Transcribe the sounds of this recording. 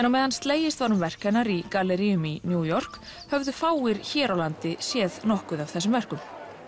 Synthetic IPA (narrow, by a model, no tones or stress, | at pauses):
ɛnawmɛːðanst̪leːjɪst̪vaɾʏmvɛr̥kɛnːaɾikalːɛɾiʏminjuːjɔr̥k | hœvðʏfaːwɪɾçɛːɾawlant̪ɪsjɛːðnɔhkʏðav̥θɛsːʏmvɛr̥kʏm